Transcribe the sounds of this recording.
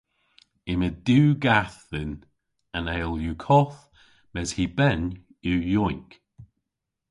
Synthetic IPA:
ɪməduːɡaθðɪn | ənɛːlˠjukʰɔθ | mɛz̥hiːbɛn | ujɔjk

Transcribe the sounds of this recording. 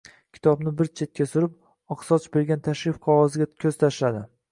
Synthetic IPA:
kʲʰɪ̥t̪ʰɒbnɪbɪɾt͡ʃʰe̞t̪̚kʲasʊɾɪp̚ | ɒqsɒt͡ʃbe̞ɾɡʲant̪ʰaʃɾɪfqʰɒʁɒzɪɡʲakʲʰɵz̥t̪ʰaʃlad̪ɪ

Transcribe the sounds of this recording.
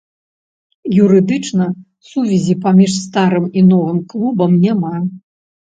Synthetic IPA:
juɾɨd̪ɨt͡ʂnɐ | suvʲɛzʲipamʲiʂst̪aɾɨminɔvɨmklˠubɐmnʲama

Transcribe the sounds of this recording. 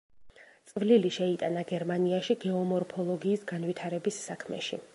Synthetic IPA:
t̪sʼvliliʃɛit̪ʼanaɡɛɾmaniaʃiɡɛɔmɔɾpʰɔlˠɔɡiːsɡanwit̪ʰaɾɛbisːakʰmɛ̰ʃḭ

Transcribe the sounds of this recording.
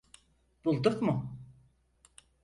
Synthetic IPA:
b̥ulˠd̪ɯqmʊ

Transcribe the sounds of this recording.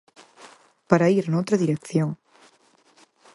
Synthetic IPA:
paɾaiɾanowt̪ɾɐðiɾekθjoŋ

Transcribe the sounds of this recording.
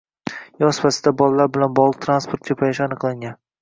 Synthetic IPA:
jɒspasɪd̪abɒlˠalaɾbɪlanbɒʁlˠɨq̚t̪ʰɾanspoɾt̪̚kʲʰapʰajɪʃɪanɨqlˠaŋʲan

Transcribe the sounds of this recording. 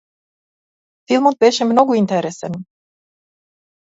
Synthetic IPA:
filˠmot̪̚beːʃemnoɡoint̪eɾesen

